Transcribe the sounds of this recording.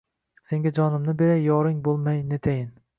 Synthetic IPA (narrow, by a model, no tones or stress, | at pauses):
se̞ŋɡʲad͡ʒɒnɪmnɪbeɾajɒɾɪŋbolˠmajnet̪ʰajɪn